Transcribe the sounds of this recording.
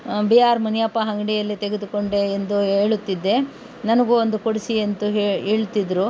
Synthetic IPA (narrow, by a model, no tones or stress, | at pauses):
biaːɾmɐnijɐpːɐɦɐŋɡɐɽijɐlːit̪eɡed̪uko̞ɳɖeːnd̪uɦe̞ːɭut̪ːid̪ːe̞ | nɐnɐɡuond̪ukoɽisient̪uɦeɦeːɭut̪ːid̪ɾu